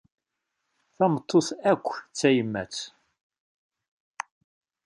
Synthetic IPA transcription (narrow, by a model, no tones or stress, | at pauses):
θæmət̪ˤːoθækʷːt͡sːæjəmːæ̰t͡s